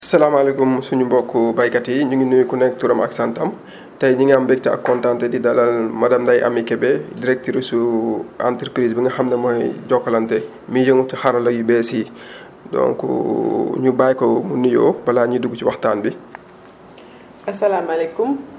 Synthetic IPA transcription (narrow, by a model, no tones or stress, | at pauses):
ɐsɐlaːmalɛkumsuɲumbɔkːubajkɐtiɲuŋinujikunɛk̚tuɾɐmɐ̰ksantɐm | tɐjɲiŋambɛk̚tɛɐ̰kːɔntaːntɛdidɐlɐlmɐdɐmdɐjʔɐ̰mikɛbɛdiɾɛk̚tiɾisua̰ntəɾpɾiːsbiŋɡɐxɐmnɛmɔjɟɔkːɐlɐntɛ | mijəŋutixɐɾɐlɐjubɛsi | dɔ̰ŋkṵɲubajkɔmunijɔ̰ːbɐlaːɲuduɡut͡ʃiwɐxtaːnbi | ɐsɐlaːmɐlɛkum